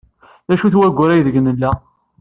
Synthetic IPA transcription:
ðæʃuθwæɡʷːʊɾæjðəɡnəlːæ

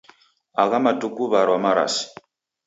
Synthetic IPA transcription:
aɣamatukuβaɾwamaɾa̰si̥

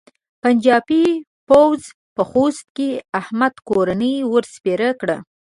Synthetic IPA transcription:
pand͡ʒɑbi | pawz | pəxost̪̚keahmad̪koɾanəjwəɾspeɾəkɽə̰

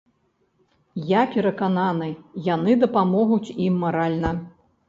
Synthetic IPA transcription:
japʲɛɾɐkananɨjjanɨd̪ɐpamɔɣut͡sʲimːaɾalʲnɐ

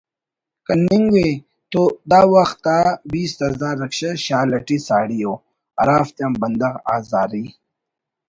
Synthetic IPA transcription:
kɐniŋɡwe | t̪od̪aːwɐxt̪ːaːbiːst̪ɐzaːɾːɐkɕɐɕaːlɐʈisaːɽijoː | ɐ̰ɾaːft̪jɐmbɐnd̪ɐɣa̰ːzaːɾi

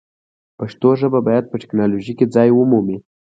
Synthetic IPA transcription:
paʂt̪oʒəbabɑjad̪̚pəʈɪ̥knɑloʒiked͡zɑjwəmumi

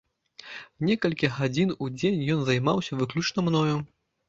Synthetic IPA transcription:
nʲɛkɐlʲkʲiɣad͡zʲinud͡zʲenʲjɔnzajmawsʲɐvɨklʲut͡ʂnɐmnɔju

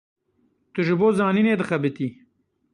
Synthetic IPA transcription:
t̪ɨʒɪboːzɑːnineːd̪ɨxɐbɪt̪i

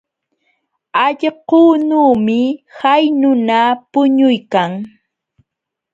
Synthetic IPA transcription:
aʎquːnuːmɪhajnʊnapʊɲʊjkaŋ

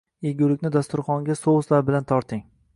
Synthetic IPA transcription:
eɡʲʊlɪkʲnɪd̪ast̪ʊɾχɒŋɡʲasoʊslaɾbɪlant̪ʰɒɾt̪ʰɪŋ

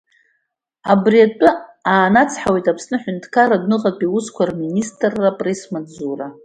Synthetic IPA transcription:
abriatʷʼʊaːnat͡sʰħawetʼapʰsnɨħʷʏntʰkʰaɾadnɨqʼapʼiwʊskʷarministʼrːapʼresmad͡zura

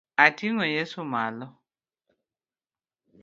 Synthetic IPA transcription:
atʰiŋɔjesuma̰lɔ

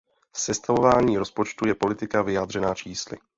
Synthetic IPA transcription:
sɛst̪avo̞vaːɲiːɾo̞spot͡ʃt̪ujɛpo̞lɪt̪ɪkavɪjaːd̪r̥ɛnaːt͡ʃiːslɪ̰

